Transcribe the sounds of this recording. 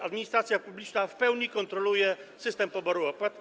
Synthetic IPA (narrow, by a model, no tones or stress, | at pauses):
ad̪mʲiɲist̪ɾat̪sjapublʲit͡ʂnafpɛwɲikɔnt̪ɾɔlujɛsɘst̪ɛmpɔbɔɾuɔpwat̪